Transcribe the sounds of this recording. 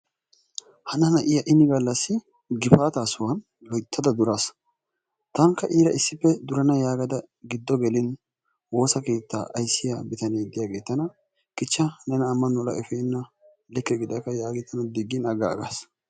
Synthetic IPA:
hɐnɐnɐʔɪjɐʔɪnːɪɡɐlːɐsːɪ | ɡɪfaːt̪aːsʊwɐn | lɔjt̪ʰːɐd̪ɐd̪ʊɾas | t̪ɐŋkːɐʔiːɾɐʔɪsːɪpːɛd̪ʊɾɐnɐjaːɡɐd̪ɐ | ɡɪd̪ːɔɡɛlɪn | wo̞ːsɐke̞ːt̪ːa̰ːʔɐjsːɪjabɪt̪ɐneːd̪ɪjaːɡeːt̪ːɐnɐ | kɪt͡ʃːɐnɛnɐːmːɐnɔlɐ̰ʔɛfeːnːɐ | lɛkːɛɡɪd̪ɐkːɐjaːɡɪt̪ːɐnɐd̪ɪɡːɪnɐɡa̰ːɡa̰ːs

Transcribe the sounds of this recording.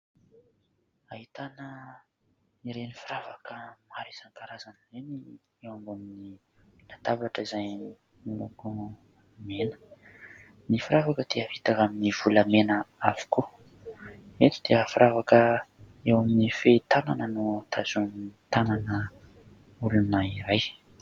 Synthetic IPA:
aɦit̪anə | iɾenifiɾavakəmaɾisaŋkaɾazanizeni | ewambamini | lat̪avaʈ͡ʂəizaj | niluɡo | menə̥ | nifiɾavakəd̪eəɦit̪akaminiv̥ulamenəavi̥ku | et̪u̥d̪̥eəfiɾʔavakə | ewaminifet̪ananənot̪ʰazumnit̪ananə | ulunaiɾaj

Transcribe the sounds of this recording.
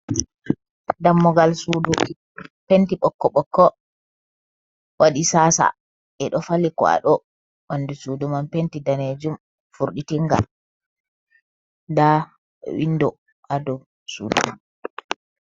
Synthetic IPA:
damːɔɡalsudu | pentiɓɔkːɔɓɔkːɔ | wʔaɗisaːsa̰ | ɛɗɔfalikɔ̰a̰ɗɔ | wanːdisuːdumampentidaned͡ʒum | fuɾɗitiŋɡa̰ | da̰ | windɔ | adɔ | sṵːdṵ

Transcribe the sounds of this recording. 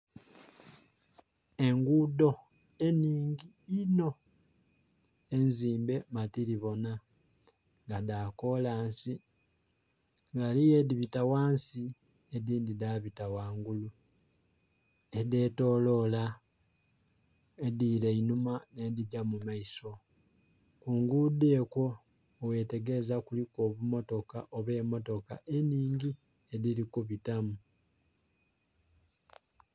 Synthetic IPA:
e̞ŋɡudo̞ | e̞niːŋɟi | ino̞ | enziːmbe̞matiɾiβo̞na | ŋɡadako̞laːnsi | ŋɡalije̞diβitawaːnsi | ediːndidaβitawaːŋɡulu | ede̞to̞ːlo̞la | edile̞inumane̞diɟamumaiso̞ | kuːŋɡudeko̞ː | we̞te̞ɡe̞zakuliko̞ːβumo̞to̞kaʔoβe̞ːmo̞to̞ka̰ʔe̞niːɲɟi | e̞ðilikuβitamu

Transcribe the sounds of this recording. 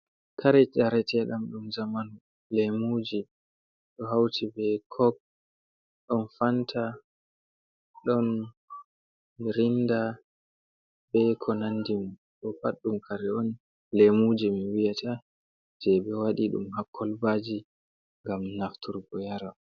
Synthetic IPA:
kʰaɾɛt͡ʃaɾɛtɛɗamɗumzamanu | lɛmud͡ʒi | ɗɔɦawtʰibɛkʰɔɡ̚ | ɗɔnfantʰa | ɗɔn | iɾinda | bɛkʰɔnandimu | ɗɔfaɗːumkʰaɾɛɔn | lemud͡ʒimiwijatʰa | d͡ʒɛbɛwaɗiɗṵmhakʰːɔlbad͡ʒi | ŋɡamnaftuɾɡɔjaɾa

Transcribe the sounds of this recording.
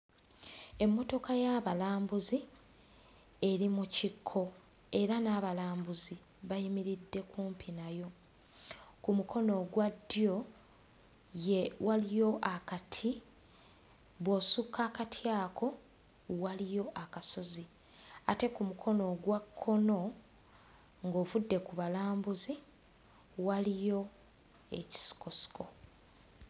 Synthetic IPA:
e̞mːo̞to̞kajaβalaːmbuzi | e̞ɾimucikʰːo̞ | e̞ɾanaːβalaːmbuzi | βajimiɾidːe̞kuːmpʰinajo̞ | kumukʰo̞no̞ɡwadːjo̞ | jewalijo̞ʔakatʰi | βwo̞sukʰːaːkatʰjaːkʰo̞ | walijo̞ʔakaso̞zi | ate̞kumukʰo̞no̞ɡwakʰːo̞no̞ | ŋɡo̞ːvudːe̞kuβalaːmbuzi | walijo̞ | e̞̰ci̥si̥ko̞si̥kʰo̞

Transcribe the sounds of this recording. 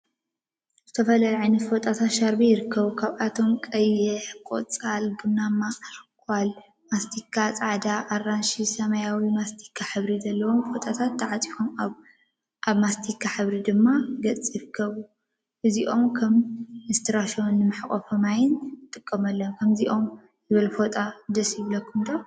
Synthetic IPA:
zzɨt̪ʰɐfɐlajʕajnɐt̪fot̪ʼat̪ʰat̪ʃaɾbijɪɾɨkːɐβukʰaβʔat̪ʰo̞mkʼɐjɛħkʼo̰t͡sʼalɡɨnːamakʰʼal | mast̪ʰikʰːat͡sʼaʕd̪aʔːrːanʃisɐmɐjawimast̪ʰi̥kʰːaħɨβɾizɐlːɐwo̞mfot̪ʼat̪ʰat̪ːaʕat͡sʼifom | ʔaβmast̪ʰikʰːaħɨβɾid̪ɨmːaɡɐt͡sʼiɾɨkʰːɐβu | ʔɨziʔo̞mkʰɐmɨst̪ʰɨɾaʃionːɨmɨħkʼo̰fɐmajɪnɨt̪ʼɨkʼːɐmɐlːɐmkʰɐmziʔo̞m | zɨβɨlfo̞t̪ʼad̪ɐsjiβlɐkːumd̪o

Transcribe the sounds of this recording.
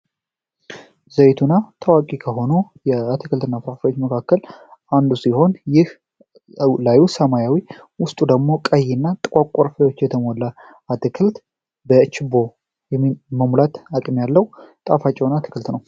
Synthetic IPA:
zəjt̪ʰunat̪ʰawakʼikʰəɦo̞nujɛat̪ʰɨkʰɨlt̪ɨnːafɾafio̞t͡ʃːməkʰakːəlʔand̪usiho̞njɪh | lajusəmajawiwʊst̪ʼud̪əɡmo̞kʼəjːɪnːat̪ʼɨkʼakʷʼːoɾfləwo̞t͡ʃːjɛt̪ʰəmolːa | at̪ɨkʰɨlt̪ | bət͡ʃɪbːo̞ | jɛmːiməmulat̪akʼmjalːəwt̪ʼafat͡ʃʼːɛwnat̪ʰɨ̥kʰɨlt̪nəw

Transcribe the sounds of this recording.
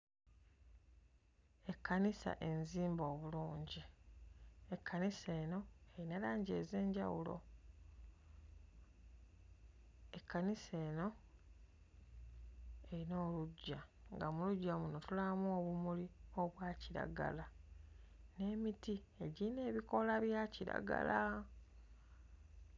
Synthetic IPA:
e̞kʰːanisa̰ʔe̞nziːmbo̞ːβuluːɲɟi | e̞kʰːanise̞ːno̞e̞ɾinalaːɲɟe̞̰ze̞ːɲɟa̰wṵlo̰ | ekʰːanise̞ːno̞ | e̞ɾino̞ːluɟːaŋɡamuluɟːamunotulamuoːβumulioβwaːciɾa̰ɡa̰la | ne̞ːmiti | e̞ɟine̞ːβiko̞laβjaciɾa̰ɡa̰la

